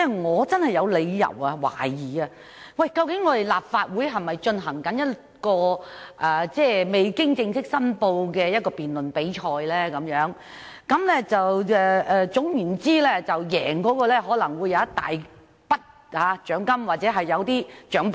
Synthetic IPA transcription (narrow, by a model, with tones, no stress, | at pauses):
ɛ˥ŋɔː˨˧t͡sɐ˥nhɐ˨˩jɐ˨˧wle˨˧jjɐ̰˨˩wɐ˧wa̰ː˨˩jiː˨ɐ˧ | wɐ˥˨jkɐ˧wkɪ˨˥ŋːɔː˨˧t̪e˨jlaː˨p̚faː˧t̚wuː˨˥jɦɐ˨jmɐ˨jt͡ʃɵ˧nɦɐ˨˩ŋkɐ˨˥njɐ˥t | kɔː˧ʔɐː˨˩t͡sɛː˥˩me˨˩jkɪ˥ŋt͡sɪ˧ŋsɪ˥k̚sɐ˥npo˧wkɛː˧jɐ˥t̚kɔː˧piː˨nlɵ˨npe˨˥jt͡ʃʰɔː˧jlɛː˥kɐ˨˥mjœː˨˧˥ŋ | kɐ˨˦˥mlɛː˥t͡sɐ˨wɛː˨˧ʔɛː˨˧t͡sʊ˨˥ŋjyː˨˩nt͡siː˥lɛː˥t͡sɐ˨˩wjɛ̰ː˨˩ŋkɔː˨˥kɔː˧lɛː˥ɦɔː˨˥lɐ˨˩ŋwu˨˧jːɐ˨˧wjɐ˥t̪a̰ː˨j | pɐ˥t̚ | haː˨˧t͡ʃœː˨˥ŋkɐ˥mwaː˨˩t̚t͡sɛː˨˥ɦɐ˨jːɐ˨˧wt̪iː˥t͡ʃœː˨˥ŋp